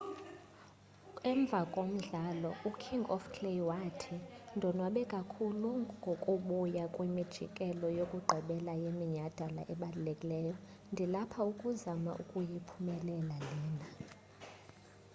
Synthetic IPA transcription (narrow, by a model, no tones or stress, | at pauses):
ɛɱb̪vʱakʼom̩ɮalɔukʰiŋɡɔ̰fkʰlewatʰindʱɔnwaɓɛkʼakʰuluŋɡʱokʼuɓujakʼwimid̥ʒ̥ʱḭkʼɛlɔjokʼuɡ͡ǃʱiɓɛlajemiɲad̥ʱala̰ʔɛɓalulekʼilɛːjɔ | ndʱilapʰaukʼuzama̰ʔukʼujipʰumɛlɛlaliːna